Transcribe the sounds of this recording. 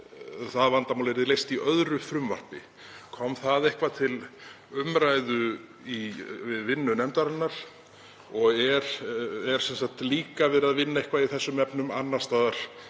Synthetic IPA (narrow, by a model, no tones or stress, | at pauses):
θaðvant̪amawlɛɾðɪlejst̪iʔœðɾʏfɾʏmva̰r̥pɪ | kʰɔmθaðehkvat̪ʰɪl | ʏmɾajðʏ | ivɪðvɪnːʏnɛmt̪aɾanːaɾ̥ | ɔɣɛɾ̥ɛɾ̥sɛnsaht̪liːkavɪðɾaðvɪnːaehkvaiθɛsːʏmɛpnʏmanːast̪aːðaɾ̥